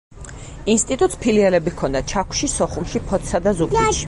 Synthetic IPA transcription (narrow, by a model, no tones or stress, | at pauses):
inst̪ʼit̪ʼut̪ʼspʰiliɛlɛbikʰɔnd̪at͡ʃʰakʷʰʃisɔχumʃipʰɔt̪ʰsad̪azuɡ